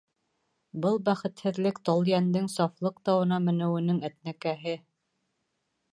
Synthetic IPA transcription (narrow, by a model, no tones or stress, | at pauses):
bɤlˠbæχɘ̆t̪hɘ̆ðlɘkt̪ɑlˠjænd̪ɘŋsɑflˠɤqt̪ɑwɤ̆nɑmɘ̆nɘ̆wɘ̆nɘŋæt̪̚nækæɦɘ